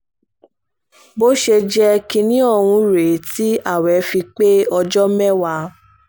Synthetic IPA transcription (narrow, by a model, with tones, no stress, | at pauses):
bo˦ʃe˧d͡ʒɛ˧ki˧nĩ˦ɔ˧hũ˧ɾe˨ti˨˦a˦˨wɛ˨˦fi˧k͡pe˦ɔ˧d͡ʒɔ˦mɛ̃˦wa˧